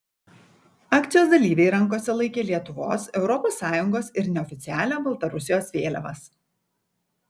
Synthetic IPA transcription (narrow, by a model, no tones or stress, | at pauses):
ɑːkt̪ʲɪjoːsd̪ɐlʲiːʋʲɛɪɾɐŋˑkoːsʲɛlˠɐɪkʲeːlʲiɛt̪ʊʋo̰ːsɛʊɾɔpoːsːɑːjʊŋɡoːsɪɾnʲɛɔfʲɪt̪ʲɪæːlʲæːbɐlˠt̪ɐɾʊsʲɪjoːsʋʲeːlʲɛʋɐs